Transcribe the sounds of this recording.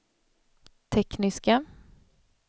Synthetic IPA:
t̪ʰɛknɪska

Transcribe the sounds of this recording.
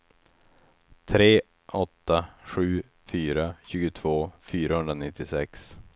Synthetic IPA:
t̪ʰɾeː | ʔɔt̪ːaɧʉ̟ː | fyːɾaɕʉ̟ːɡʊt̪ʰvoːfyːɾahɵnd̪ɾanɪt̪ːɪsɛks

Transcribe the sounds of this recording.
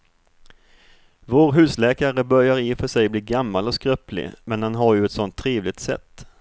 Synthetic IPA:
voːɾɦʉ̟ːslɛːkaɾəbœɾjaɾɪfœʂɛjbliːɾɡamːalɔskɾœplɪ̰mɛnhanɦaɾjɵɛt̪sɔnt̪ʰːɾeːvlɪɡ̚t̪sɛ̰t̪ː

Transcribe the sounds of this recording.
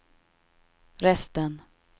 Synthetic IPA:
ɾɛst̪ən

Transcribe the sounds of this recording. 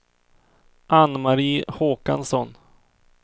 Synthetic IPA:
ʔanːmaɾiːhoːka̰nsɔn

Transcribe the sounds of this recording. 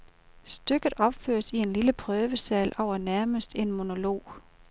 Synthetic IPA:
sd̥øɡ̥ð̩ˠɒ̽b̥fø̰ːɐsie̝nliləpʰʁœːʋəsɛ̰ːlʔɒʊɐnæɐməsd̥e̝nmo̝no̝lo̝̰ː

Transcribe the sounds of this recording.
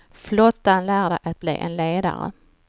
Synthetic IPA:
flɔt̪ːanlæːɖɛɪʔat̪̚blḭːʔɛnleːd̪a̰ɾə̰

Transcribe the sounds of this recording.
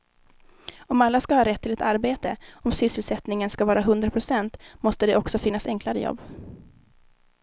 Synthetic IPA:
ɔmalːaskahɑːɾɛt̪ʰːɪlɛt̪ʰaɾbeːt̪əɔmsʏsːəlsɛt̪nɪŋənskavɑːɾaɦɵnd̪ɾapʰɾʊsɛnt̪mɔst̪əd̪ɛʔɔksɔfɪnːasɛŋklaɾəjɔ̰bː

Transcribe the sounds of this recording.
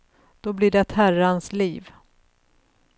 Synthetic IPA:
d̪̥ɔblɪːɖɛt̪hæransliːv

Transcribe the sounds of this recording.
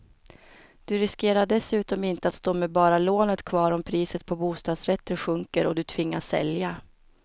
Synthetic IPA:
d̪̥ɵɾɪskeːɾaɖɛsʉ̟ːt̪ɔmɪnt̪əat̪st̪oːmɛbɑːɾaloːnət̪kʰvɑːɾɔmpʰɾiːsət̪̚pʰɔbuːst̪ɑːd̪sɾɛt̪ʰːənɧɵŋkəɾɔd̪ɵt̪ʰvɪŋːasːɛ̰lja

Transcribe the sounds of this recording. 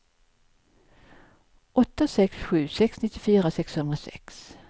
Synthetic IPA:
ʔɔt̪ːasɛksɧʉ̟ːsɛksnɪt̪ːɪfyːɾasɛkshɵnd̪ɾasɛ̰ks

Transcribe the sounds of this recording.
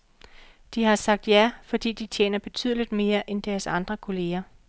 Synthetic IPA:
d̥ihɑ̈sɑ̈ɡ̥̚d̥jæfɒ̽d̥ḭːd̥it͡sʰjḛːnɐb̥e̝t͡sʰy̰ːð̞̰ˠlid̥me̝ːɐʔend̥æɐsɑ̈nd̥ʁɐkʰo̝le̝ːɐ

